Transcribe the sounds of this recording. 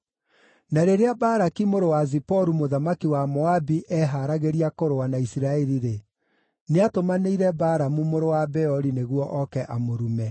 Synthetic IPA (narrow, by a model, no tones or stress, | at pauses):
naɾeɾeabaːɾakimoɾowazipɔɾumoðamakiwamɔabiʔɛɦaɾaɣeɾiakoɾoanaisiɾaɛɾiɾe | neatomaneiɾɛbaːɾamumoɾowabɛɔɾineɣwɔʔɔkɛʔamoɾumɛ